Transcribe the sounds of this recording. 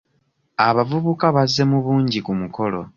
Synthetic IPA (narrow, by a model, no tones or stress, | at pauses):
aβavuβukaβazːe̞muβuːɲɟikumuko̞lo̞̰